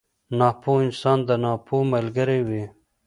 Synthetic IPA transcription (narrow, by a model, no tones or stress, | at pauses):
nɑːpoɪnsɑːnd̪ənɑːpʰoməlɡəɾewi